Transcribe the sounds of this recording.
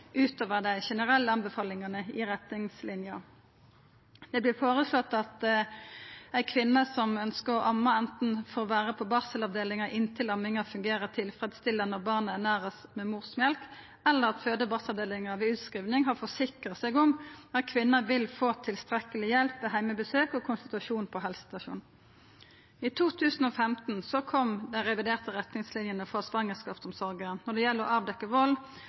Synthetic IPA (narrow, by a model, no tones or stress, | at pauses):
ʉːt̪oːʋəʁd̪æɪʃɛnəʁɛlːəɑnbəfɑːlɪŋɑnəɪʁɛt̪nɪŋslɪnjɑ | d̪̥ɛblɪfoːʁəsøt̪ɑt̪ | æɪkʰʋɪnːəsɔmœnskəʁʔɑmːɑɛnt̪n̩fɔʁʋæːʁəpʰɔbɑːsəlɑʋd̪eːlɪŋɑʔɪnt̪ʰɪlɑmːɪŋɑfʉŋɡeːʁət̪ʰɪlfʁɛːd̪st̪ɪlənɔʁbɑːʁnəænæːʁəsmɛmuʁsmjɛlk | ɛlːəʁɑt̪føːd̪əbɑːslɑʋd̪eːlɪŋɑʋɪʉːt̪skʁiːʋnɪŋɦɑʁfɔsɪkʁəsɛːɡʊmɑt̪̚kʰʋɪnːɑʋɪlfoːt̪ʰɪlst̪ʁɛkəlɪjɛlpʋɛɦæɪməbəsøːkɔkʰʊnst̪ɪt̪ʉɑʃuːnpʰɔɦɛlsə̥t̪ɑʃṵːn | it̪ʰuːt̪ʰʉːsən̩ɔːfɛmt̪n̩sɔkʰɔmd̪ɛnʁɛʋɪd̪eːʁt̪əʁɛt̪nɪŋslɪnjənəfɔsʋɑŋːəskɑːpsɔmsɔʁɡəənɔʁd̪ɛjɛlːəʁʔɑːʋd̪ɛkːəʋɔl